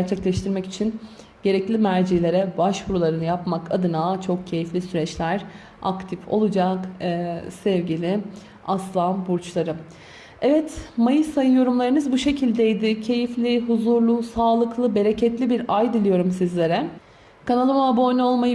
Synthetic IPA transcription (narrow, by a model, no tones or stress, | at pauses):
æɾt͡ʃʰɛclʲɛʃt̪ʰiɾmɛci̥t͡ʃʰin | ɟe̞ɾɛclʲimæɾd͡ʒilʲe̞ɾɛbaʃbuɾulˠaɾɯnɯjapmakʰa̰d̪ɯnaːt͡ʃʰo̞k̚cʰe̞jiflʲisyɾɛt͡ʃlʲæɾ̥ | a̰kt̪ʰifo̞̰lˠud͡ʒakː | sɛvɟilʲɪ | aslˠanbuɾt͡ʃlˠaɾɯ | ɛvɛt̪majɯsajɯjo̞ɾumlˠaɾɯnɯzbuʃe̞cʰilʲd̪ɛjd̪ɪcʰe̞jiflʲiɦuzuɾlˠusaːlˠɯklˠɯbe̞ɾecʰɛt̪lʲibiɾajd̪ɯlʲˠijo̞ɾumsizlʲe̞ɾɛ | kʰanalˠɯmabo̞jno̞lˠmajɯ